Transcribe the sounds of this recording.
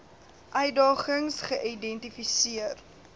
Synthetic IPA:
ʔœɥdɑːχəŋsχəʔidɛntifisiər

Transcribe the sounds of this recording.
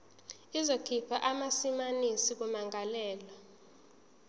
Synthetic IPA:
izokʰipʰaʔamasimanisik̬umaŋalɛːla

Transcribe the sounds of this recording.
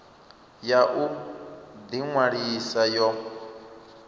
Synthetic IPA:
jaʔu | d̪iŋwaɺisajɔ

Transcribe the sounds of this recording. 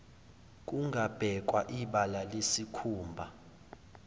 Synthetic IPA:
k̬ʼuŋʱab̥ʱɛk̬ʼwaʔiɓalalesikʰuːmbʱa

